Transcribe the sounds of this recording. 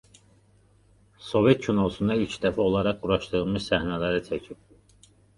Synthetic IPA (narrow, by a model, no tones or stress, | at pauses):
so̞vet̪̚cʰynousund̪ɑilʲcʰd̪æfæo̞lˠɑɾɑq̚ɡuɾɑʃt̪ɯɾɯlˠmɯʃsæhnælæɾit͡ʃʰæcʰip̚